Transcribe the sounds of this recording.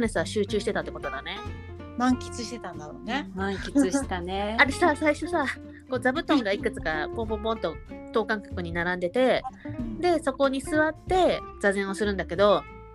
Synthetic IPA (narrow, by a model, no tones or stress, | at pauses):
ne̞sɨɡaɕɨːt͡ɕɨːɕi̥t̪e̞t̪at̪ːekot̪o̞d̪ane̞ | mãŋkʲi̥t͡sɨɕi̥t̪e̞t̪ãnd̪aɾonemãŋkʲiɨɕet̪aneaɾesasaiɕo̞sa | ko̞ːd͡zabɯ̟t̪õ̞ŋɡaikɯ̟t͡sɨ̥kapõmpõmpõnt̪o̞t̪o̞ːkãŋkḁkɯ̟ɲ̟inaɾãnd̪e̞t̪e̞d̪e̞so̞ko̞ɲ̟isɨβat̪ːe̞d͡zazẽ̞ɰ̃o̞sɨɾɯ̟̃nd̪ake̞d̪o̞